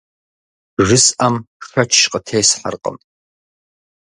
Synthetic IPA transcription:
ʒɨsɐmʂɐt͡ʃʰʃqʼətʰeːsħa̰rqʼə̰m

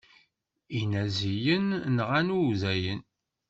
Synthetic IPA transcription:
inæzijənːəʁænuwzæjən

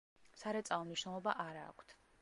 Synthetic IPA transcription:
saɾɛt̪sʼalˠɔmniʃnɛlˠɔbaʔaɾa̰ːkʷʰt̪ʰ

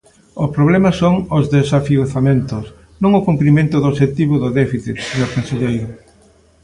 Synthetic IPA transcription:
ʊspɾoβlɛmɐsoŋʊzðesafioθamẽnt̪os | nõŋʊkumpɾimẽnt̪ʊðoʃet̪iβʊðʊðɛfiθit̪seɲoɾpenseʎejɾʊ

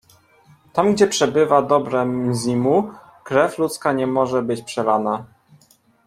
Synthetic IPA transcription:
t̪amɡd͡ʑɛpʂɛbɘvad̪ɔbɾɛmzʲimu | kɾɛflut̪skaɲɛmɔʐɛbɘt͡ɕpʂɛɾana

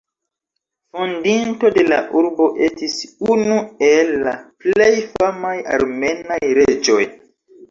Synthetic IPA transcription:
fondinto̞de̞la̰ʔuɾbo̞ʔe̞stisunuelːaple̞jfamaja̰ɾme̞najɾe̞d͡ʒo̞j

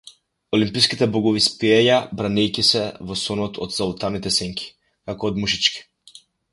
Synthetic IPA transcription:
ɔlimpijskit̪ɛbɔɡɔvispiɛjabɾanɛjkisɛvɔsɔnɔt̪ʰɔd̪salˠut̪anit̪ɛsɛŋkʰʲi̥ | kakɔːd̪muʃit͡ʃki̥

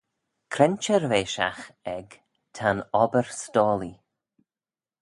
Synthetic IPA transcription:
kʰɾɛnt͡ʃəɾveːʃa̰xɛɡ | tʰanɔbəɹstɔːli

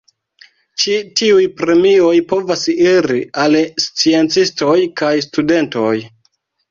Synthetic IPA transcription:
t͡ʃitiujpɾe̞mio̞jpo̞vasiɾialst͡sie̞nt͡sisto̞jkajstude̞nto̞j

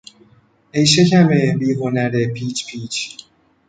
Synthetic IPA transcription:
ejʃ̬ekʲʰæmebiːɣonæɾepʰiːt͡ʃpʰiːt͡ʃ

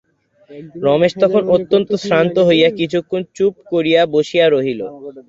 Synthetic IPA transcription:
ɾɔmeʃt̪ɔkʰonot̪ːont̪osɾant̪oɦojakit͡ɕʰukʰːont͡ɕup̚koɾijaboʃiaɾoɦilo̰

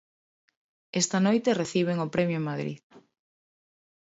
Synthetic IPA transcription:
est̪ɐnojt̪ereθiβ̞eŋʊpɾemjʊemaðɾḭð

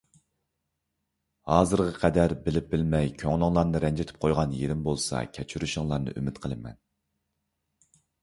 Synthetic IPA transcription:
hɑːzɨɾʁɑqʰɛd̪æɾbɪlɪp̚bɪlmɛjkʲʰøŋlˠɨŋlˠɑɾnɨɾɛnd͡ʒɪt̪ʰɪ̥p̚qʰojʁɑnjeɾɪmbolˠsɑ̰kʲʰɛt͡ʃʰyɾyʃɪŋlˠɑɾnɨ̰ʔy̰mɪt̪qʰəlˠɨmɛ̰n

